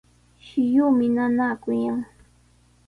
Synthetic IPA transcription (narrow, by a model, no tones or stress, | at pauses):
ʃɪjuːmɪnanaːkʊjaŋ